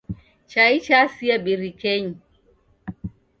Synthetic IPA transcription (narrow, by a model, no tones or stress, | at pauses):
t͡ʃait͡ʃasiaɓiɾikɛɲi